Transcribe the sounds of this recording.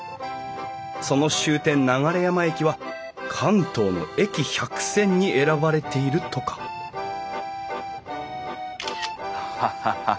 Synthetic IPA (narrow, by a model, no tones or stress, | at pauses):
so̞no̞ɕɨːt̪ẽ̞nːaɡaɾe̞jamae̞kʲiβa | kʰãnt̪o̞ːno̞̰e̞kʲiçakɯ̟̥sẽ̞ɲ̟ːiʔe̞ɾabaɾe̞t̪e̞iɾɯ̟t̪o̞kḁ | a